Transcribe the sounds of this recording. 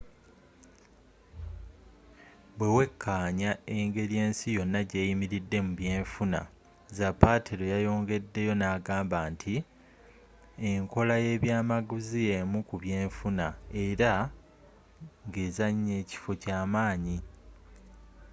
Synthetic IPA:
bwe̞we̞kʰːaːɲae̞ŋɡe̞ɾje̞ːnsijo̞nːaɟe̞ːjimiɾidːe̞muβje̞ːɱfuna̰ | zapːatʰiɾo̞jajo̞ːŋɡe̞dːe̞jo̞naːɡaːmbaːntʰi | eŋko̞laje̞βjaːmaɡuzie̞mukuβje̞ːɱfunae̞ɾa | ŋɡe̞ːzaɲːe̞ːci̥fo̞caːmaːɲi

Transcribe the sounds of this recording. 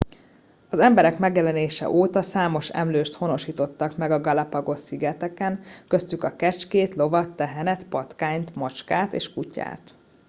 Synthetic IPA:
ɒzɛmbɛɾɛkmɛɡjɛlɛneːʃɛ̰ʔoːt̪ɒsaːmo̞ʃɛ̰mløːʃt̪ho̞no̞ʃiːt̪o̞t̪ːɒkmɛɡɒɡɒlɒpɒɡo̞siɡɛt̪ɛkɛnkø̞st̪ykɒkɛt͡ʃkeːt̪lo̞vɒt̪ːɛɦɛnɛt̪pɒt̪kaːɲt̪mɒt͡ʃkaːt̪ḛːʃkuca̰ːt̪

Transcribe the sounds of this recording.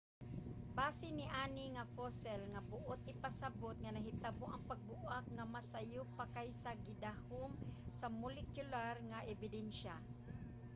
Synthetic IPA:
baːsɪnɪʔaːnɪŋafosɛlŋabʊʔot̪̚ʔɪpasabot̪̚ŋanɐɦɪt̪aboʔɐŋpaɡ̚bʊʔak̚ŋamasajupakajsaɡɪd̪ahomsamʊlɛkjʊlarŋaʔɛbɪd̪ɛnʃa

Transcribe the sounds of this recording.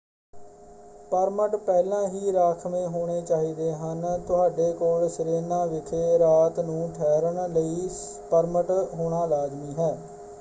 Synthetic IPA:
pəɾməʈpɛːlãːɦiːɾaːkʰmẽːɦoːɽ̃eːt͡ʃaːɦiːd̪eːɦənt̪ʊɦaːɖeːkoːlsɾeːnãːʋɪkʰeːɾaːt̪nũːʈʰɛːɾəɳləiː | pəɾməʈɦoːɽ̃aːlaːd͡ʒmiːɦɛː

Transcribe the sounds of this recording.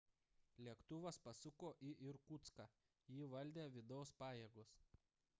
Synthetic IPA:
lʲiɛkt̪ʊʋɐspɐsʊkoːʔiʔɪɾkut̪skɑ | jiːʋɐlʲd̪ʲeːʋʲɪd̪ɒʊspɑːjeːɡʊs

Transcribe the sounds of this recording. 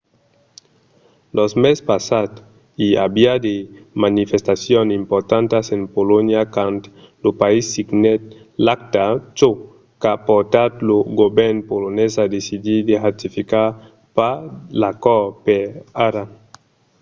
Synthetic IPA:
lozmespasat̪ | ia̰biad̪emanifest̪asjonimpoɾt̪ant̪asenpolonjakant̪ | lopaisːiɡnet̪̚ | lak̚t̪at͡ʃo | kapoɾt̪at̪loɡobɛɾnpolonesad̪esid̪id̪eʁat̪ifika | palakɔɾpeaɾa

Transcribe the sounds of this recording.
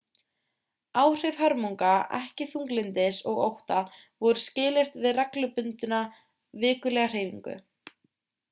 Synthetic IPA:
aːwr̥ɪjvɦaɾmuwŋkaɛ̰hcɪθuŋklɪnt̪ɪsɔɣo̰wht̪a | vɔɾʏscɪːlɪr̥t̪vɪðrɛklʏpʏnt̪ʏna | vɪːkʏlɛɣar̥eːjviŋkʏ̰

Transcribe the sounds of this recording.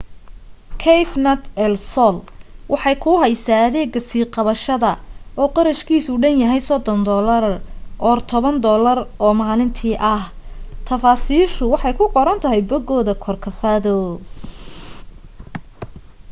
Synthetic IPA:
kʰɛjfnɐt̪ɛlsɔlwʔɑħɑjkʰʊɦɛjsaːɐðɛːɡɐsiːqɑβɐʃɐðɐɔːqɑɾɐʃkʰiːsʊɖɐnjɐɦɛjsɔd̪ɔnd̪ɔːlɐɾʔɔːrt̪ʰɔβɐnd̪ɔːlɐrʔɔːmaːlɪnt̪ʰiːʔɐht̪ʰɐfaːsiːʃʊwɑħɑjkʰʊqɔɾɐnt̪ʰɐɦɛjbɔɡɔːðɐkʰɔrkʰɐfɐðɔ

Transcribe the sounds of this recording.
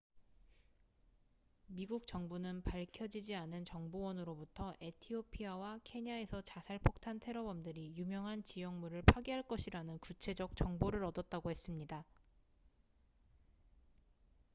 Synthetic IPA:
miɡuk̚t͡ɕʌŋbunɯnpaɭkʰjʌd͡ʑid͡ʑianɯnt͡ɕʌŋbowʌnɯɾobutʰʌʔe̞tʰiopʰiawakʰe̞ɲiae̞sʰʌt͡ɕasʰaɭpʰok̚tʰantʰe̞ɾʌbʌmdɯɾijumjʌŋɦant͡ɕijʌŋmuɾɯɭpʰwaɡiɦaɭk͈ʌɕʰiɾanɯnkut͡ɕʰe̞d͡ʑʌk̚t͡ɕ͈ʌŋboɾɯɾʌdʌt̚t͈aɡohe̞s͈ɯmɲida

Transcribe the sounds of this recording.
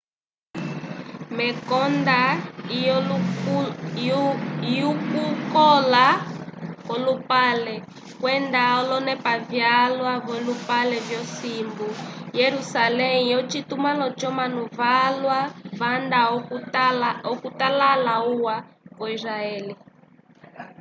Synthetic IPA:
mɛkɔnda | jukukɔla | kɔlupalɛ | kwɛndaɔlɔnɛpavjalwavɔlupalɛvjɔsimbujɛɾusalɛijɔt͡ʃit̪umalɔt͡ʃɔmanuvalwavanda | ɔkutalalauwavɔiɾaɛːli

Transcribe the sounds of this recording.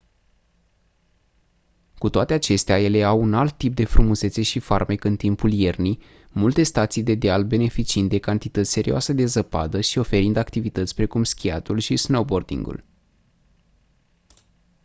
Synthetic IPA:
kut̪oat̪e̞at͡ʃe̞st̪eaje̞le̞awunalt̪ːip̚d̪e̞fɾumuzese̞ʃifarmekɨnt̪impulje̞rni | mult̪e̞st̪at̪sijd̪e̞d̪ealbe̞ne̞fit͡ʃiind̪d̪e̞kant̪it̪ət̪sʲse̞ɾioasəd̪e̞zəpa̰d̪əʃio̞fe̞ɾind̪akt̪ivit̪ət̪sʲpɾe̞kumskʲiat̪ulʃisnowbo̞rd̪ḭŋɡṵl

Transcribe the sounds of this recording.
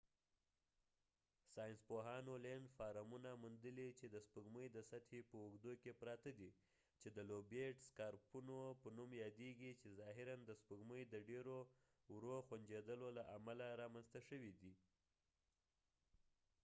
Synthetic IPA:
sɑjɪnspoɦɑnolenɖfɑɾamunamund̪əlit͡ʃed̪əspəɡməjd̪əsat̪hepəuɡd̪okepɾɑt̪ad̪i | t͡ʃed̪əlobeʈskɑɾpunopənumjɑd̪eɡit͡ʃezɑɦɪɾand̪əspəɡməjd̪əɖeɾo | wɾoxwand͡ʒed̪əlolaʔamalaɾɑmanst̪aʃəwid̪i

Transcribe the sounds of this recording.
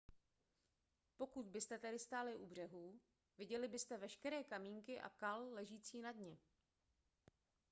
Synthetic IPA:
po̞kut̪̚bɪst̪ɛt̪ɛdɪst̪aːlɪʔubr̝ɛɦuː | vɪɟɛlɪbɪst̪ɛvɛʃkɛɾɛːkamiːŋkɪʔa̰kallɛʒiːt͡siːnadɲɛ

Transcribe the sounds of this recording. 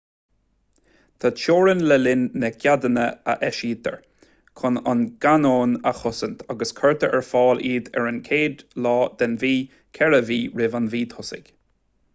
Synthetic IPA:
t̪ʰat͡ʃoːɹənlɛlɪnːɛkʰʲjad̪ənəə̰ʔɛʃiːt̪ə̰ɹ | kʰʊnanɡ̥anoːnəxʊsənt̪ʰaɡəskʰɜɹt̪ʰəʔɛɹfɑːliːd̪ɛ̰ɹənkʰeːd̪lɑːd̪̥ɛnviː | kʰɛɹəviːɹɪvanviːt̪ʰʊsɪ̰ɡ̥

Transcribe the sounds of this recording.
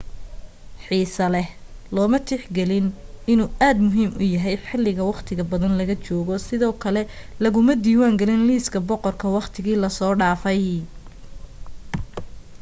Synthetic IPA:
ħiːsɐlɛhlɔːmɐt̪ʰɪħɡɛlɪnɪnuːʔaːd̪mʊɦiːmʊ̰jɐɦɛjħɪlːɪɣɐwɑqt̪ʰɪɣɐbɐðɐnlɐɣɐt͡ʃɔːɣɔsɪðɔːkʰɐlɛ | lɐɣʊmɐd̪iːwaːŋɡɐlɪnliːskʰɐbɔqɔrkʰɐwɑqt̪ʰɪɣiːlɐsɔːɖaːfɛj

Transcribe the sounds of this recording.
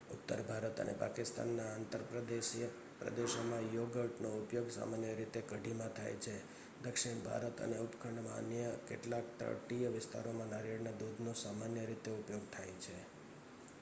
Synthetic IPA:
ʊt̪ːəɾbʱaɾət̪ə̰nʔḛpa̰kɪst̪a̰nːaant̪əɾpɾəd̪eʃijə | pɾə̰d̪eʃomãjoɡəʈnoupjoɡsa̰manjəɾit̪ekəɖʱimãt̪ʰa̰jt͡ʃʰe | d̪əkʂɪɳbʱa̰ɾət̪ə̰neupkʰəɳɖmãə̰njəkeʈlakt̪ə̰ʈijəʋɪst̪a̰ɾomãnaɾiɽnad̪ud̪nosamanjəɾit̪eupjoɡ̚t̪ʰajt͡ʃʰe

